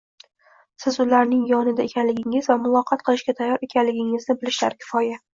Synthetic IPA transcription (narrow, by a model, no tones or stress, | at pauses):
sɪzʊlaɾnɪŋjɒnɪd̪aekʲʰanlɪɡʲɪŋɪzvamʊlˠɒqʰɑt̪̚qʰɨlˠɪʃɡʲat̪ʰajːɒɾe̞kʲʰanlɪɡʲɪŋɪznɪbɪlɪʃla̰ɾkʲʰɪ̥fɒja